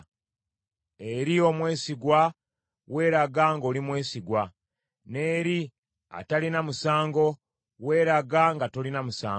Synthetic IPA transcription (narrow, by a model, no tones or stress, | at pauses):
eɾio̞mwe̞ːsiɡwa | we̞ːɾaɡaŋɡo̞ːlimwe̞ːsiɡwa | ne̞ːɾi | a̰talinamusaːŋɡo̞ | we̞ːɾaɡaŋɡato̞linamusaː